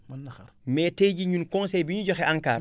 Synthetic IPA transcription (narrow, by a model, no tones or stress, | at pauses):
mɛteːɟiɲunkɔnsɛjbiɲuɟɔxɛʔaŋkaːr